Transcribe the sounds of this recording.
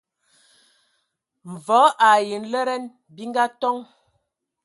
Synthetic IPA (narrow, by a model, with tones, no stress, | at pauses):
ɱ̩˨vɔ˨˦ʔa˨ji˨nlɛ˦ɾɛ˦n | bi˦ŋ˦ɡa˦tɔ˦ŋ